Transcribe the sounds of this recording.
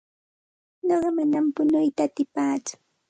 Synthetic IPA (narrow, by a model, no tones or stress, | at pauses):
ɲoɢɑmanampʊnʊjt̪aːt̪ɪpaːt͡sʊ̥